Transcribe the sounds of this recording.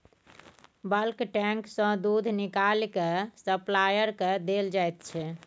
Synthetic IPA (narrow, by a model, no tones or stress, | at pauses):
bəlkʈɛ̃ŋksə̃d̪ud̪ʱnikalkesəplajəɾked̪eld͡ʒajt̪̚t͡ʃʰɛ